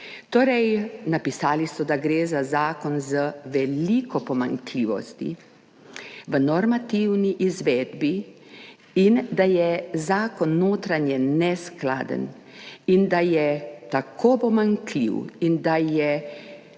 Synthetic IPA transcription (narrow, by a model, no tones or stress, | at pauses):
t̪oːɾɛjnapisaːlisɔd̪aɡɾeːzazaːkɔnzəʋɛliːkɔpɔma̰ŋkliːʋɔ̰st̪ḭ | ʋənɔɾmat̪iwniʔizʋeːd̪bi | ind̪ajɛzaːkɔnːoːt̪ɾanjɛnɛskla̰ːd̪ə̰n | ind̪ajɛt̪akʰoːpɔmaŋklḭwind̪ajɛ